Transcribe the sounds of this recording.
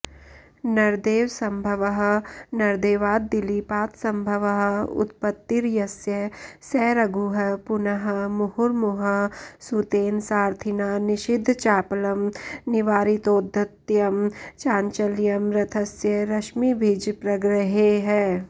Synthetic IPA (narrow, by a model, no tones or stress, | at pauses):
nɐɾd̪eːʋsɐ̃mbʱɐʋəɦnɐɾd̪eːʋaːd̪̚ːɪlipaːt̪sɐ̃mbʱəʋəɦəʊ̰t̪̚pət̪ːiɾjɐsjɐsɛːɾɐɡuɦɐpʊnɐɦəmʊhʊɾmʊɦɐsut̪eːnsaːɾt̪ʰɪnaːnɪʃɪd̪ʱːt͡ʃaːplɐmnɪʋaːɾit̪oːd̪ʱːɐt̪jɐmt͡ʃaːnt͡ʃəljɐmɾɐt̪ʰɐsjɐɾɐʃmibʱid͡ʒpɾɐɡɾəɦeɦɛː